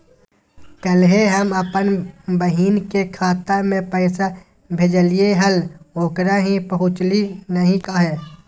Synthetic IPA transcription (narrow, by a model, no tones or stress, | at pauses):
kəlɦeɦəməpənbəɦiːnkekʰaːt̪ːəmẽpɛːsa | bʱed͡ʒəlieɦəloːkɾaɦĩpəɦʊ̃t͡ʃlinəɦĩkaɦɛː